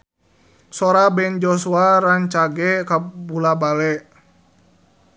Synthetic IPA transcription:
sɔɾabɛnd͡ʒɔsuaɾaɲt͡ʃaɡɛkabulabalɛʔ

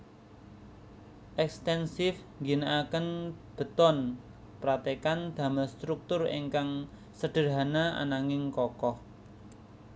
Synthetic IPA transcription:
ʔɛkst̪ɛnsɪfŋɡinaʔakənb̥ə̤t̪ɔn | pɾat̪ekand̪̥ä̤mast̪ɾuk̚t̪ʊrḛŋkaŋ | səɖ̪̥ə̤ɾanaʔa̰naŋɪŋkɔkɔh

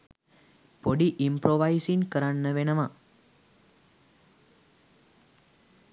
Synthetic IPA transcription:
poɖiʔimpɾoʋajsiŋkəɾaɳnəʋenəma

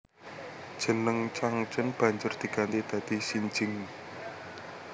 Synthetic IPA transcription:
d̥ʒ̥ə̤nəŋt͡ʃaŋt͡ʃənb̥ä̤ɲd͡ʒʊrd̪̥i̤ɡ̥a̤nt̪id̪̥ä̤d̪̥i̤siɲd͡ʒɪŋ

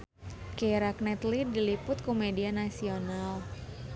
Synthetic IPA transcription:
keɾaknɛt̪lidːilipʊt̪̚kumedianasional

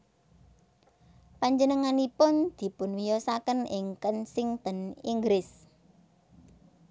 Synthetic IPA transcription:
paɲd͡ʒənəŋanipʊnd̪̥i̤pʊnwijɔsakənɪŋkənsɪŋt̪əniŋɡɾɪs

